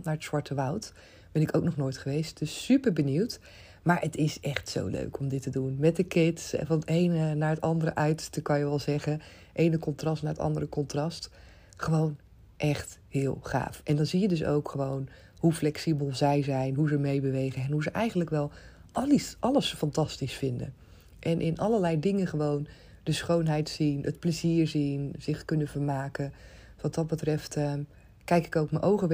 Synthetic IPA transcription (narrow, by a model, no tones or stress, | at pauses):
naːɹətsʋɑɹtəʋʌwt | b̥ɛnɪkoʊwknɔχnoːjtχəʋejst̚d̥ɵsːypəɹbəniwt | maːɹətɪsʔɛχtso̰wlø̰ɥkɔmdɪtədunmɛt̚dəkɪtsvɑnətejnənaːɹətɑndəɾəʔœɥtəkɑnjəʋɛlˠzɛχən | ʔejnəkɔntrɑstnaːɹətɑ̰ndərəkɔntrɑst | χəʋown | ʔɛχthɪːlˠχa̰ːfʔɛndɑnzijədɵs̬o̰wkχəʋown | ɦuflɛksibəlˠzɛjzɛjnɦuzəmejbəʋejχənɛnɦuzəʔɛjχənləkʋɛlˠ | ʔɑləsfɑntɑstisfɪndə̰ | ʔɛnʔɪnʔɑləlɛjdɪŋəχəʋown | d̥əsχownɦɛjtsinətpləziːɹzinz̥ɪχkɵnəvəɹmaːkə | ʋɑtdɑt̚bətrɛftə | kɛjkɪ̥kowkmənʔowχə